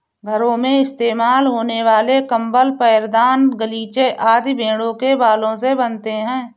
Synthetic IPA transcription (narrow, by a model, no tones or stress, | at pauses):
ɡʱəɾõmẽɪst̪eːmaːlɦoːneʋaːlekə̃mbəlpəjəɾd̪aːnɡəliːt͡ʃeʔaːd̪ibʱẽːɽõkebaːlõsebənt̪eɦɛ̃ː